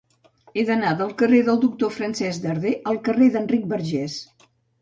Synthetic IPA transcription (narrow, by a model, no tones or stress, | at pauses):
eðənaðəlˠkəreðəlˠd̪uk̚t̪ofɾənsɛzd̪əɾðeʔəlˠkəreðəndrik̚bəɾʒɛs